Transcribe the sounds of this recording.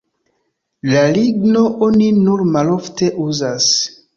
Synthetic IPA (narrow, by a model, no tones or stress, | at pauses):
laliɡno̞ʔoninuɾmalo̞fte̞ʔuzas